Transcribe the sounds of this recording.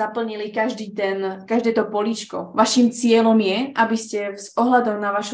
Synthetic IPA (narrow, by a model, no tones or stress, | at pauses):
apl̩ɲilikaʒd̪iːt̪ɛnkaʒd̪ɛːt̪ɔpɔlit͡ʃkɔ̰ʋaʃiːmt͡sɪɛlɔmjɛʔabiscɛzʔɔɦlad̪ɔʊnaʋaʃu